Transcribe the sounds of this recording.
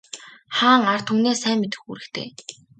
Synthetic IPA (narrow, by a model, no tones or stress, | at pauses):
χaːŋar̥t̪xumneːsæːmet̪ɘ̆xuɾɘ̆kt̪ʰḛː